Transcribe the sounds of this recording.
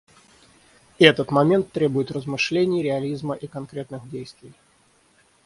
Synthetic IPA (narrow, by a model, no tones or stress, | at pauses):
ɛt̪ət̪mɐmʲe̞nt̪ːɾʲebʊjɪt̪rəzmɨʂlʲenʲɪjɾʲɪɐlʲizməʔikɐnkɾʲet̪nɨxdʲejst̪vʲɪj